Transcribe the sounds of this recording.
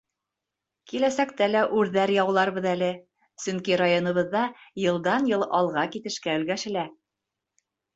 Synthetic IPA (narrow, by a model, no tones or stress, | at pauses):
kilæsækt̪ælæʔʉɾðæɾjɑwlˠɑɾbɤðælɘ | sɵŋkiɾajonɤ̆βɤ̆ðːɑjɤ̆lˠd̪ɑnjɤlˠɑlˠʁɑkit̪ɘ̆ʃkæɵ̆lɡæʃɘ̆læ